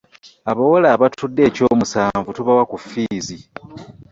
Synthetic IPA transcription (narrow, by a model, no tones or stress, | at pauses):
aβawolaːβatʰudːe̞ːco̞ːmusaːɱvutuβawakufiːzi